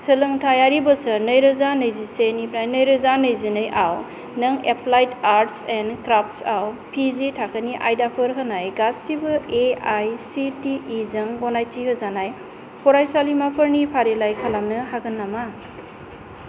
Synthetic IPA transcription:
sɯlɯŋtʰajaɾibɯsɯɾnɯjɾɯzanɯjzisenipʰɾajnɯjɾɯzanɯjzinɯjʔaw | nɯŋeplajtaɾtsenkɾap̚ʰtsawpʰizitʰakʰəniʔa̰jdapʰɯɾɦɯnajɡasːibɯeajsitiʔizɯŋɡɔnajtʰihɯzanaj | pʰɔɾajsalimapʰɯɾnipʰaɾelajkʰalamnɯhaɡɯnːama

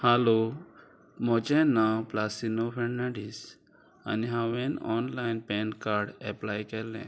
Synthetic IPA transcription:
halo | mɔt͡ʃɛ̃nawplasinopʰɛ̃ɳnaɖis | a̰niɦawɛnɔnlajnpɛnkaɾɖɛplajkɛlɛ̰̃

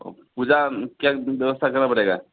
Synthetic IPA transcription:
o̰pud͡ʒakjabjəwəst̪ʰakəɾnapəɽeɡa

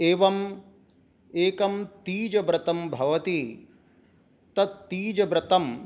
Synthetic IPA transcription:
eːʋɐm | eːkɐmt̪iːd͡ʒɐbɾɐt̪ɐmbʱɐʋɐt̪i | t̪ɐt̪t̪iːd͡ʒɐbɾɐt̪ɐm

